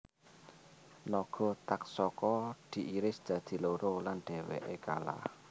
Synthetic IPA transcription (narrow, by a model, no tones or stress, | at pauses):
lɔɡ̥ɔ̤t̪ak̚sɔkɔd̪̥i̤ʔiɾɪsd̥d̪̥ä̤d̪̥i̤loɾolanɖ̥ɛ̤wɛ̰ʔeka̰la̰h